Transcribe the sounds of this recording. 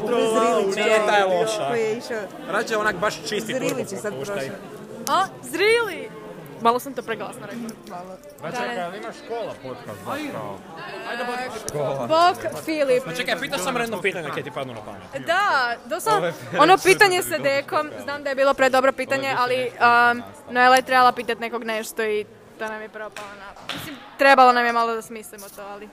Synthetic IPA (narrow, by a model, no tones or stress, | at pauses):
ɾozɾilinet̪ajelˠoʃkojijeiʃao | ɾat͡ʃeonakbaʃt͡ʃiszɾiːlit͡ɕesad̪pɾoʃa | a | zɾili | malˠosamt̪oːpɾeɡlˠa̰snoɾek | a | niakolˠapot̪kas | aj̪o | bokfilipt͡ʃekajpiːt̪aʃsamɾed̪nopiːt̪aɲaket̪ipad̪nuna̰pa̰n̰d̪ad̪osonopiːt̪aɲesad̪ekomznaːmd̪ajebiːlˠo̞pɾed̪obɾopiːt̪aɲeʔaliənoelajet̪ɾebalˠapiːt̪at̪nekoɡneʃt̪o̞i | t̪onamjepɾopalˠonamislimt̪ɾebalonamjemalˠod̪asmislimot̪oːali